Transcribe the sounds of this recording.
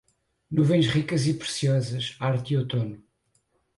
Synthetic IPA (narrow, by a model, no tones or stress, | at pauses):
nuvɐ̃j̃ʃʁikɐzipɾɨsiɔzɐʃaɾt̪iot̪onu